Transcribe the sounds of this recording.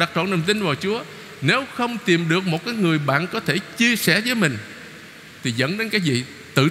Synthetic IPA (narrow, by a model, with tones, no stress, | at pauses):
ɗa˨˩k̚t͡ɕɔ̰˧˨nɗə˨˩ŋ͡mt̪i˧nvaː˨˩wt͡ɕu˨˦ə | ne˨˦wxə˧wŋ͡mt̪i˨˩mɗɨ˨˩ək̚mo˨˩t̚kaː˨˦jŋɨ˨˩əjɓa̰ː˧˨nkɔ˨˦t̪ʰe˧˩t͡ɕi˧əsɛ̰˧˩zəː˨˦jmï˨˩ŋ̟ | t̪ʰi˨˩zə̰˧˥nɗe˨˦nkaː˨˦jvḭ˧˨ | t̪ɨ̰˧˨